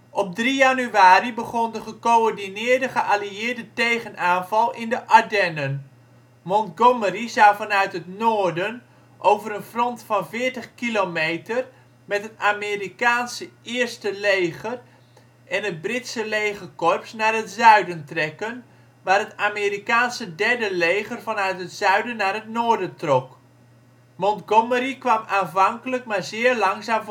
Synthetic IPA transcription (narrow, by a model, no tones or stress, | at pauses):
ʔɔp̚drijanyaːribəχɔndəχəkoɔɹdinɪːɹdəχəʔaliɪːɹdətejχənaːnvɑlˠʔɪndəʔadɛnən | mɔntɡomərizawvɑnœɥtɦətnoːɹdən | ʔowvəɾənfrɔntfɑnvɪːɹtəχkilomejtər | mɛtɦətaːmerikaːnsəɪːrstəlejχər | ʔɛnət̚brɪtsəlejχərkɔrpsnaːrɦətsœɥdəntrɛkən | ʋaːrɦətaːmiːrikaːnsədɛɹdəlejχərvɑnœɥtɦətsœɥdənːaːrɦətnoːɹdəntrɔk | mɔntɡoməɾikʋɑmaːnvɑŋkələkmaːɹzɪːɹlɑŋzaːm